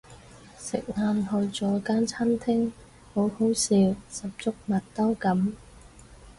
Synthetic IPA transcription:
sɪ̰˨k̚ŋaː˧nhɵ˧ɥt͡sɔː˨˥kaː˥nt͡sʰa˥nt̪ʰɪ˥ŋ | ho˨˥who˨˥wsiː˨˧wsɐ˨p̚t͡sʊ˥k̚mɐ˨t̚t̪ɐ˥wkɐ˨˥m

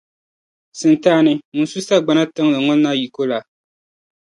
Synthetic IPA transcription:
sɨ˨ntaː˦nɨ˦mu˨nsu˦sa˦ɡ͡ba˦na˦tɨ˦ŋlɨ˨ŋɔ˦n˦na˦ji˨ko˦la˨

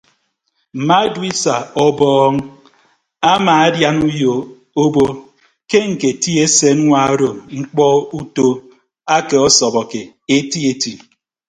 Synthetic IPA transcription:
m̩˨ma˦dwi˦sa˨ɔ˦bɔː˦ŋ˦ | a˦maː˨a˦dja˦nu˦jo˨ | o˦bo˦ | ke˦ŋ̩˨ke˨ti˦e˦se˦n˦ŋʷa˦o˦ɾo˨mŋ͡m̩˦k͡pɔ˦u˦to˦ | a˦ke˨ɔ˦sɔ˨bɔ˨ke˨ | e˦ti˦e˨ti˨

